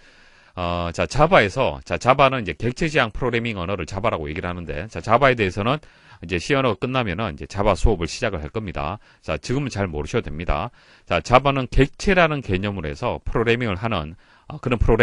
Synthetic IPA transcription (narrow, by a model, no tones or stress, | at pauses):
ʌt͡ɕat͡ɕabae̞sʰʌ̰t͡ɕat͡ɕabanɯnid͡ʑe̞ke̞k̚t͡ɕʰe̞ɕʰijaŋpʰɯɾoɡɾe̞miŋʌnʌɾɯɭt͡ɕabaɾaɡoje̞ɡiɾɯɭhanɯnde̞̰t͡ɕat͡ɕabae̞de̞ɦesʰʌnɯn | id͡ʑe̞ɕʰiʌnʌɡk͈ɯnːamjʌnɯnid͡ʑe̞t͡ɕabasʰoobɯɭɕʰid͡ʑaɡɯɭhaɭk͈ʌmɲida̰ | t͡ɕat͡ɕiɡɯmɯnt͡ɕaɭmo̰ɾɯɕʰʌodwemɲida̰ | t͡ɕat͡ɕabanɯnke̞k̚t͡ɕʰe̞ɾanɯnke̞ɲʌmɯɾe̞sʰʌpʰɯɾoɡɾe̞miŋɯɭɦanɯ̰n | ʌkɯɾʌnpʰɯɾoɾ